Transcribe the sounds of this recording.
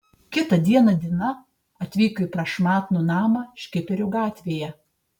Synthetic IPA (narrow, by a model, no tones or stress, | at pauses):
kʲɪt̪ɐd̪ʲiɛnɐd̪ʲɪnɐ | ɐt̪ʲʋʲiːkoipɾɐʃmɑːt̪nʊnɑːmɑʃʲkʲɪpʲɛɾʲʊɡɑːt̪ʲʋʲeːjɛ